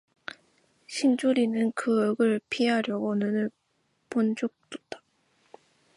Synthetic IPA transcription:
ɕʰind͡ʑoɾinɯnkɯʌɡɯɭpʰiɦaɾjʌɡonɯnɯɭ | pond͡ʑok̚t͈ut͈ḁ

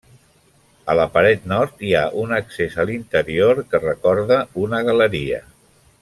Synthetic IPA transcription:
ələpəɾɛt̪nɔɾt̪iaʔunəksezəlint̪əɾioɾkərəkɔɾðəunəɣələɾiə̰

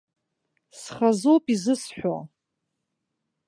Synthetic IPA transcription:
sχazowpʼizɨsħʷᶣo̰

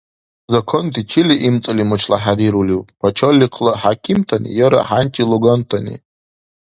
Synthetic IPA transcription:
zakʰontʰit͡ʃʰɪliʔimt͡sʼɨlimɨʈ͡ʂʰlaħadiɾuliwpʼpʰat͡ʃʰolʲːiqʰlaħakʲʰimtʰanḭjaɾa̰ħantʼiluɡantʰanḭ

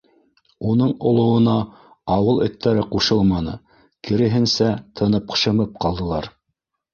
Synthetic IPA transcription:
unɤɴŏlˠŏwɤ̆nɑ | ɑwɤlˠɵ̆t̪ːæɾɘquʃɤlˠmɑnɤ̰ | kɘ̆ɾɘ̆ɦɘ̆nsæt̪ʰɤ̆nɤp̚qɤ̥̆ʃɤ̆mɤp̚qʰɑlˠd̪ɤ̆lˠɑɾ

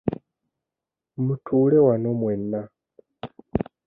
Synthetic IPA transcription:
mutʰuːlewano̞mwenːa

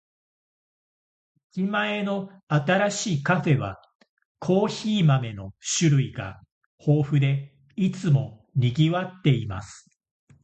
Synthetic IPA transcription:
d͡ʑimaeno̞ | at̪aɾaɕiːkaɸe̞βa | kʰo̞ːçiːmame̞no̞ɕɨɾɯ̟iɡa̰ | ho̞ːɸɯ̟d̪e̞ | it͡sɨmo̞ɲʲiɡʲiβat̪ːe̞ima̰sɨ̥

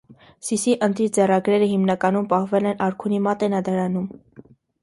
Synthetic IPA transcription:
sisiʔənt̪ɾit͡sɛrɑɡɾɛɾəɦimnɑkɑnumpɑhvɛlɛnʔɑɾkʰunimɑt̪ɛnɑd̪ɑɾɑnum

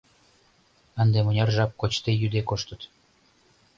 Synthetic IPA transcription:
ənd̪emonʲɑrʒɑp̚kot͡ɕt̪ejyd̪ekoʃt̪ə̆t̪

